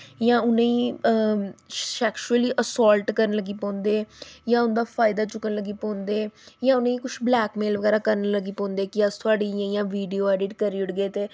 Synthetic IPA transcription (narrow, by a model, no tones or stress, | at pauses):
jãːʊnẽːĩː | ʃɛːkʃuəliːʔəsɔːlʈkəɾənləɡiːpɔ̃ːnd̪eːjãːʊnd̪aːpʰaːɪd̪aːt͡ʃʊkːənləɡiːpɔ̃ːnd̪eːjãːʊnẽːiːkʊʃblɛːkmeːlʋəɡɛːɾaːkəɾənləɡiːpɔ̃ːnd̪eːkɪəst̪ʰʊaːɖiːjãːɪjãːʋiːɖioːɛːɖiːʈkəɾiːʊɽɡeːt̪eː